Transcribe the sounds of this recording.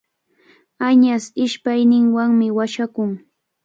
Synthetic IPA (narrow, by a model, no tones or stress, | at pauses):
aɲasɪʃpajnɪŋwaŋmɪwaʃakʊŋ